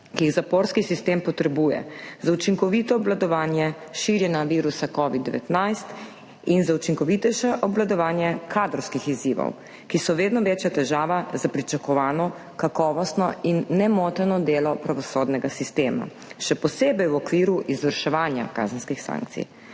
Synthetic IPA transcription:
kiiɣzapoɾskisist̪empɔt̪ɾɛbujɛ̰zaut͡ʃiŋkɔʋit̪ɔːblad̪ɔʋaːnjɛʃiɾjɛnaʋiːɾusakɔʋid̪ɛʋɛ̰t̪najst̪ | inzaut͡ʃiŋkɔʋit̪ɛjʃɛʔɔblad̪ɔʋaːnjɛkʰaːd̪ɾɔwskixiziːʋɔ̰w | kisɔʋeːd̪nɔʋeːt͡ʃjat̪ɛʒaːʋazapɾit͡ʃakɔʋaːnɔ | kakɔːʋɔst̪nɔinːɛmɔt̪ɛnɔd̪eːlɔpɾaʋɔsoːd̪nɛɡasist̪eːma̰ | ʃɛpɔseːbɛjwɔkʋiːɾuʔizʋəɾʃɛʋaːnja̰ka̰ːzənskixsa̰ːŋk̚t̪sḭj

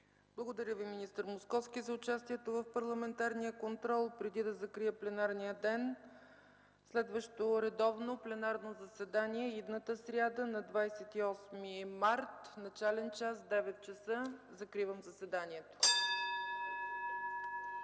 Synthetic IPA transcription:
b̥lˠəɡod̪ɐɾʲəviminist̪əɾmoskɔfskizɐʊt͡ʃast̪iɛt̪ovəfpɐɾlˠɐmɛnt̪aɾnijəkont̪ɾɔlˠpɾɛd̪id̪ɐzɐkɾiəplɛnaɾnijəd̪ɛn | slɛd̪vəʃt̪oɾɛd̪ɔvnoplɛnaɾnozɐsɛd̪aniɛid̪nət̪əsɾʲad̪ənɐd̪vajsɛt̪iɔsmimaɾt̪nɐt͡ʃalɛnt͡ʃasd̪ɛvɛt̪̚t͡ʃɛsɤzɐkɾivəmzɐsɛd̪aniɛt̪o̥

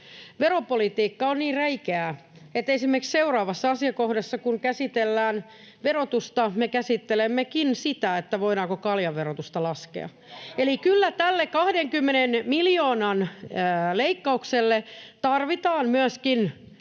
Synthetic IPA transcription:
ʋeropolit̪iːkːɑonniːrreikeæet̪esimːerksseurɑːʋɑsːɑɑsiɑkohdesːɑkuŋkæsit̪elːæːn | ʋerot̪ust̪ɑmekæsit̪ːelemːekinsit̪æet̪ːæʋoiɾɑːkokɑljɑʋʋerot̪ust̪ɑlɑskḛɑ̰ | elikylːæt̪ælːekɑhdeŋkymːenenmiljoːnɑnː | leikːɑukselːet̪ɑrʋit̪ɑːnmyæskin

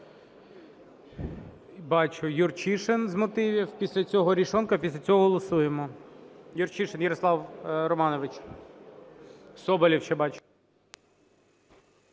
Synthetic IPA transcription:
bɑt͡ʃʊjurt͡ʃiʃenzmɔt̪ɪʋʲiwpʲisʲlʲɐt͡sʲɔɦɔɾʲiʃɔnkɐpʲisʲlʲɐt͡sʲɔɦɔɦɔlˠɔsujemɔ | jʊrt͡ʃiʃenjɐɾɔslˠɑwɾɔmɑnɔʋɪt͡ʃ | sɔbɐlʲiwt͡ʃɛbɑt͡ʃʊ̥

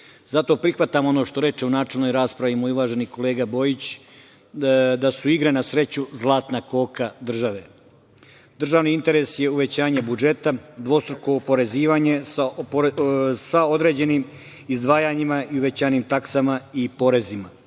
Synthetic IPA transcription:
zat̪o̞pɾixʋat̪amono̞ʃt̪o̞ɾe̞t͡ʃeunaːt͡ʃe̞lno̞jɾaːspɾaʋimojuʋaːʒe̞niko̞leːɡabo̞ːjit͡ɕ | d̪asuiɡɾenasɾe̞t͡ɕuzlˠaːt̪nako̞ːkad̪r̩ʒaʋe̞ | d̪r̩ʒaːʋniint̪e̞ɾe̞sje̞uʋe̞t͡ɕaːɲe̞bud͡ʒe̞t̪ad̪ʋo̞st̪ɾokoopo̞ɾe̞ziːʋaɲe̞sa | saod̪ɾe̞ːd͡ʑe̞niːm | izd̪ʋaːjaɲimaʔiuʋe̞t͡ɕaːjniːmt̪aksamaipo̞ɾe̞zima

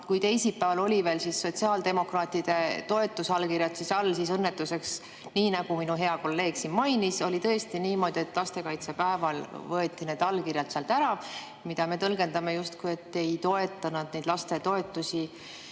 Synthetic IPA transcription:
kujt̪e̞jsipːˑæːvɑlo̞lʲive̞ːlsisːo̞t̪ʲsiɑːld̪̥e̞mo̞krɑːt̪id̪̥e̞t̪o̞e̞t̪ːˑusɑlːkirjɑt̪sisɑlːsisɤnːe̞t̪ːˑuse̞ks | niːnɑɡ̥uminuɦe̞ɑko̞lːe̞ːɡ̥sinmɑjniso̞lʲit̪ɤ̞e̞st̪iniːmo̞ːd̪̥ie̞t̪ːˑlɑst̪e̞kɑjt̪se̞pæevɑlvɤet̪ˑːine̞ːd̪ɑlːkirjɑlt̪seɑlt̪æɾɑ | mid̪̥ɑme̞t̪ɤlɡ̥e̞nd̪ɑme̞just̪kuje̞t̪ːe̞jt̪o̞e̞t̪ːˑɑnɑd̪̥ne̞jd̪lɑst̪e̞t̪o̞e̞t̪ːˑusi

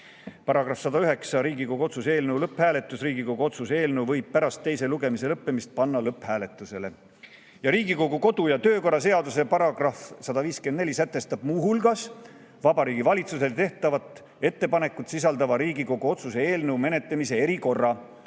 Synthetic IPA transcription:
pɑɾɑɡrɑfsɑd̪ɑyɦe̞ksɑɾiːɡiko̞ɡuo̞t̪susee̞ːlnewlɤpːhæːle̞t̪ːˑusriːɡiko̞ɡ̥uot̪susee̞ːlnewvɤjb̥̚pæɾɑst̪ːe̞jse̞luɡe̞mise̞lɤpːe̞mist̪̚pɑnːɑlɤpːhæːle̞t̪ːˑuse̞le | jɑɾiːɡiko̞ɡuko̞d̪̥ujɑt̪øːko̞rːɑse̞ɑd̪use̞pɑɾɑɡ̥rɑfsɑd̪̥ɑviːskend̪ne̞lʲisæt̪ːe̞st̪ɑb̥̚muːɦulɡɑs | vɑbɑɾiːɡ̥ivɑlʲit̪suse̞lt̪e̞ht̪ɑvɑt̪ːˑ | e̞t̪ːe̞pɑne̞kːˑut̪sis̬ɑld̪ɑvɑɾiːɡiko̞ɡ̥uo̞t̪suse̞e̞ːlnewme̞ne̞t̪lemise̞e̞ɾiko̞rːɑ

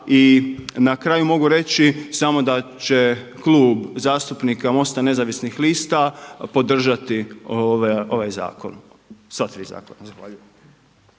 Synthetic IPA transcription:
inakɾaːjumo̞ɡuɾe̞t͡ɕisamo̞d̪at͡ɕeklˠuːbzaːst̪upnikamo̞st̪ane̞zaʋisnixliːst̪apo̞d̪r̩ʒat̪i | o̞ʋajza̰ːko̰n | sʋat̪ɾiːza̰ːkonazaxʋa̰ːʎujem

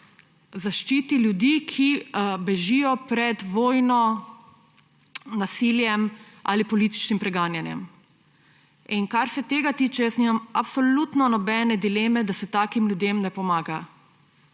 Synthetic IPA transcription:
zaʃt͡ʃiːt̪iljud̪iːkʰibɛʒijɔpɾɛd̪ʋoːjnɔ | nasiljɛm | ʔa̰lipɔliːt̪i̥t͡ʃnimpɾɛɡaːnjanjɛ̰m | inkaɾsɛt̪eːɡat̪iːt͡ʃɛjəsniːmamapsɔlut̪nɔnɔbɛːnɛd̪ileːmɛd̪asɛt̪aːkimljud̪emnɛpɔmaːɡa

